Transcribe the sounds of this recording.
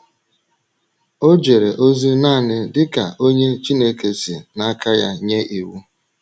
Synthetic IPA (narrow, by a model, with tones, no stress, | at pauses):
o˦d͡ʒe˨ɾe˨ʔo˦zu˦na˦˨nɪ˦dɪ˦ka˨o˦ɲe˦t͡ʃi˦ne˦ke˨sḭ˨na˦ka˦ja˦ɲe˦ʔi˨wu˦